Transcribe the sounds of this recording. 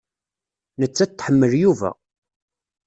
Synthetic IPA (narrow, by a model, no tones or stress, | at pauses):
nət͡sːæt̪ːħəmːəljuvæ̰